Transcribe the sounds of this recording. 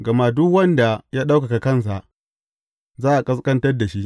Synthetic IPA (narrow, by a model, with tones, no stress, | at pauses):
ɡɐ˨ma˦dʊ˦kwɐ˦nda˨jaː˦ɗa˦wka˨ka˨kɐ˦˨ns̬a˨ʔ | zaː˦ʔa˨kʼɐ˦skʼɐ˦ntɐ˦rda˨ʃi˦ʔ